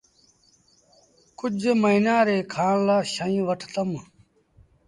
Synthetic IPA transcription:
kʊd͡ʒeməinãːɾeːkʰaːɽlaːɕəĩːʋəʈʰt̪əm

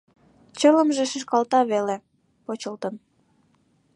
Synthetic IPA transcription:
t͡ɕələmʒeʃiʃkɑlt̪ɑβele | pot͡ɕəlt̪ən

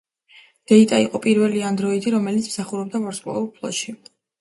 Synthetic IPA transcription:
d̪̥ɛit̪ʼaiqʼɔpʼiɾvɛliand̪ɾɔid̪iɾɔmɛlit̪sʰmsaχuɾɔb̚d̪avaɾskʼɔ̰ɛpʰlˠɔ̰ʃi

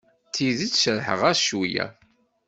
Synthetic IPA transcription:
t̪iðit͡sːʃəɾħə̰ʁæʃujæ̰

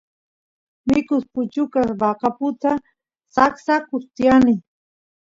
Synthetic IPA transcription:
mɪkʊspʊt͡ʃʊkasbɑqapʊt̪a | saksakʊst̪ɪjanɪ

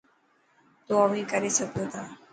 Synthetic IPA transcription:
t̪oamĩkəɾesək̚t̪ot̪a

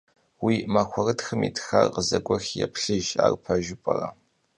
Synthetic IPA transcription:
wiːmaxʷɔrɨtxɨmiːtʰxarqəzɐɡʷɔxjɛpʰɬɨʒa̰ːrpʰɐʒʊpʼɐrɐ

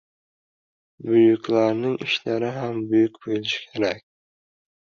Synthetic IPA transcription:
bʊjʊkʲlaɾnɪŋɪʃlaɾɪɦambʊjʊkʲbojlɪʃɪ̥kʲʰeɾakʲ

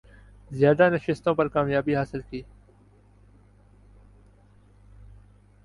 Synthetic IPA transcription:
zjaːd̪anɐʃɪst̪õːpɐɾkaːmjaːbiɦaːsɪlkiː

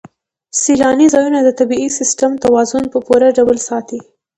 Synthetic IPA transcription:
silɑnizɑjunad̪ət̪abiisɪsʈəmt̪awɑzʊnpəpuɾaɖawəlsɑt̪i

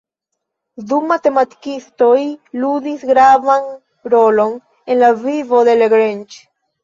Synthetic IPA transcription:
ðumat̪emat̪i̥kist̪ojluðisɡɾavaŋ | ɾolon | enlavivoðeleɣɾent͡ʃ

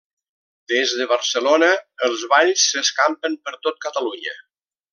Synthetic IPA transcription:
d̪̥ezðəβəɾsəlonəəlˠzβaʎsːəskampəmpəɾt̪ot̪̚kət̪əluɲə

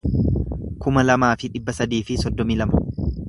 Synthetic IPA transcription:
kʊmɐlɐmaːfɪᶑɪbːɐsɐd̪iːfɪsɔd̪ːɔmiːlɐmɐ

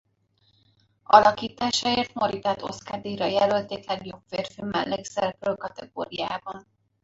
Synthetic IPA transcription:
ɒ̰lɒkiːt̪aːʃɒeːrt̪moɾit̪at̪o̞̰skad̪iːɾɒjɛlølt̪eːklɛɡjo̞bfeːrfimɛ̰lːɛɡzɛrprølkɒt̪ɛɡo̰ːɾija̰ːbɒn

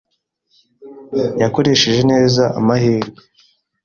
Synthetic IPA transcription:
jako̞ɾe̞ʃeʒe̞ne̞ːzaa̰mahiːɾɡe

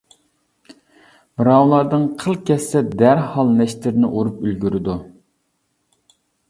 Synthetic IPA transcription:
mɾɑwlˠɑɾd̪ɨŋqʰəlˠkʲɛsːɛd̪æɾhɑlˠnɛʃt̪ɪɾnɪʔuɾupylɡʲyɾɪd̪u

